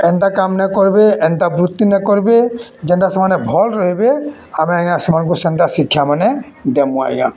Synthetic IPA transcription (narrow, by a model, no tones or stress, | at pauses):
ɛnʈakamnɛkɔɹibeɛnʈabɾut̪ːinɛkɔɹibed͡ʒɛɳʈasɔmanɛbʱɔlɾɔɦibe | amiaŋãsɔmanɡusɛnʈasikʰːjamanɛ | d̪ɛmũa̰ɛ̰ɡã̰